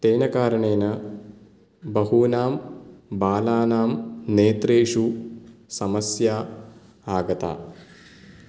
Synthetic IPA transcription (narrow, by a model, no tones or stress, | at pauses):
t̪eːnɐkaːɾɐɳeːnɐ | bɐɦuːnaːmbaːlaːnaːmneːt̪ɾeːʂusɐmɐsjaː | aːɡɐt̪a̰ː